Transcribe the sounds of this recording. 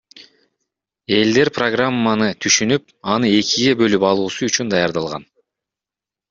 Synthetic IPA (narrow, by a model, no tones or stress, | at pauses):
e̞ld̪e̞ɾproɡramːanɯt̪ʰyʃynyp̚ | ɑnɯe̞kiɡe̞bø̞lypɑlˠuːsuyt͡ʃynd̪ɑjɑɾd̪ɑlˠʁɑ̰n